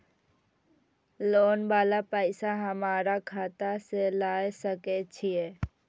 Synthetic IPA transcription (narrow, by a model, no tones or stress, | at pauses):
loːnbaːlapəːɪsaɦəmaːɾakʰaːt̪aselaːjsəket͡ʃʰie